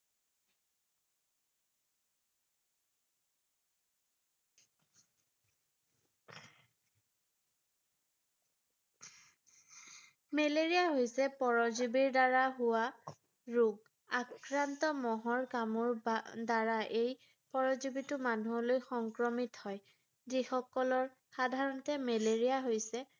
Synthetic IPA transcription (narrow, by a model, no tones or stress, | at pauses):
meleɹijaɦojsɛpɔɹɔzubiɹdaɹaɦʊwa | ɹuɡ | akɹantɔmɔɦɔɹkamɔɹdaɹaʔej | pɔɹɔzubitʊmanuɦɔlojxɔŋkɹɔmithɔj | zixɔkɔlɔɹ | xadʱaɹɔntɛmeleɹijaɦojsɛ